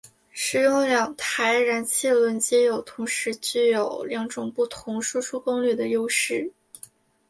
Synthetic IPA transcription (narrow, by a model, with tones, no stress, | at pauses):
ʂɻ̩˨˩jʊ˥ŋljɑ˨˩ŋt̪ʰa˧˥ɪɻa˧˥nt͡ɕʰi˥˩lwə˧˥nt͡ɕjɛ˥jo˨˩ʊt̪ʰʊ˧˥ŋʂɻ̩˧˥t͡ɕy˥˩jo˨˩ʊljɑ˧˥ŋʈ͡ʂʊ˨˩ŋpu˥˩t̪ʰʊ˧˥ŋʂu˥ʂu˥kʊ˥ŋly˥˩d̪ə˩jo˥ʊʂɻ̩˥˩